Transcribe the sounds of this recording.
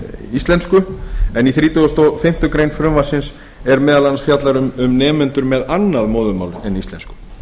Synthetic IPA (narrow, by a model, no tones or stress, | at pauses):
ist̪lɛnskʏɛniθɾiːt̪ʏast̪ofɪm̥t̪ʏkɾeːjnfɾœmvasɪns | ɛɾmɛːðalansfjat̪laɾʏmʏmnɛːmɛnt̪ʏɾmɛðanːaðmoːðʏmaːwlɛnist̪ɛnskʏ̥